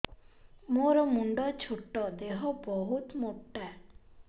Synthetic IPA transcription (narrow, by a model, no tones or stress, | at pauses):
moɾɔmuɳɖɔt͡ʃʰuʈːɔd̪eɦɔbɔɦut̪moʈːa